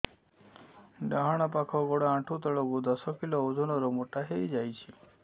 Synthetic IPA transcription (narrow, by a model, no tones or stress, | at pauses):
ɖaɦaɽ̃ɔpakʰɔɡɔɽaãʈʰut̪ɔɭɔɡud̪ɔsɔkilɔod̪ʱunɔɾɔmoʈaɦejd͡ʒajt͡ʃʰe